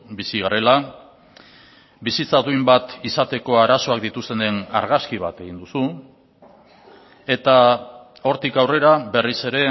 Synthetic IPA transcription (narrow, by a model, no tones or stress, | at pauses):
bisiɣare̞la | bisit͡saðujmbat̪isat̪e̞ko̞aɾaso̞akd̪it̪ust̪e̞ne̞na̰ɾɣaskiβ̞at̪e̞ɣ̞ind̪usu | e̞t̪a | o̞ɾt̪ikawre̞ɾaβe̞rise̞ɾe̞